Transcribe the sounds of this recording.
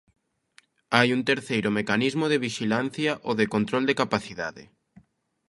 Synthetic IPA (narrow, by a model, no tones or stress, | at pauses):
ajunt̪eɾθejɾʊmekanizmoðeβiʃilan̟θjaʔoðekont̪ɾold̪ekapaθiðaðɪ̰